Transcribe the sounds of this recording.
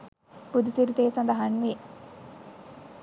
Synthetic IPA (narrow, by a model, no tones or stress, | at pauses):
pud̪isiɾit̪eːsɐnd̪ɐɦɐnʋi